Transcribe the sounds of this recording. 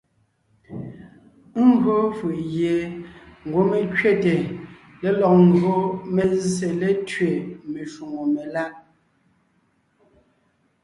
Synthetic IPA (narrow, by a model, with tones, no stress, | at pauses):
ŋ̩˦ɡɰo˦fɯ˨ʔje˨ŋ̩˨ɡwo˨˦me˨kɥe˦˨te˨ | le˨lɔ˨k̚ŋ̩˦˨ɡo˦me˨zse˨le˨tɥe˨me˨ʃu˨ŋo˨me˨la˦ʔ